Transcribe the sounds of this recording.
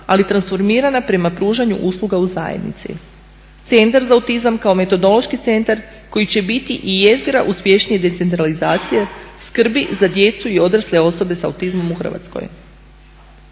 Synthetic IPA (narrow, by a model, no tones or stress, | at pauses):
alit̪ɾansfo̞ɾmiːɾanapɾe̞mapɾuːʒaɲṵʔuslˠuɡauza̰jḛd̪nḭt̪sḭ | t̪se̞nt̪aɾzaːut̪izamkao̞me̞t̪o̞d̪o̞lˠo̞ʃkit̪se̞nt̪aɾ | ko̞jit͡ɕe̞bit̪iʔije̞zɡɾaʔuspʲje̞ʃnijed̪e̞t̪se̞nt̪ɾalizaːt̪sijeskr̩bizad̪je̞t̪suio̞d̪ɾasle̞o̞so̞be̞sa̰ut̪izmo̞muxr̩ʋa̰t̪sko̰j